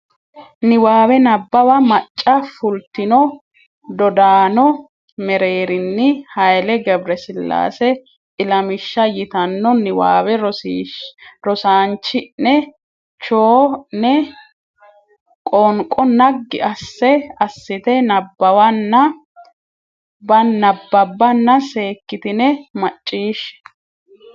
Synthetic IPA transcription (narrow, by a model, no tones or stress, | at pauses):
nɪwaːwɛnɐbːɐwɐmɐt͡ʃʼːɐfʊlt̪ːɪnɔ | d̪ɔd̪aːnɔ | mɛɾeːɾɪnːɪhɐjlɛɡɛbɾɛsɪlːa̰ːsɛ | ɪlɐmɪʃːɐjɪt̪ɐnːɔnɪwa̰ːwɛɾ | ɾɔsaːnt͡ʃːɪnɛ | t͡ʃoːnɛ | kʼɔŋkʼɔnɐɡːɪ̰ɐsːɛɐsːɪt̪ɛnɐbːɐwɐnːɐ | bɐnɐbːɐbːɐnːɐse̞ːkːɪt̪ɪnɛmɐt͡ʃʼːiːʃɛ̥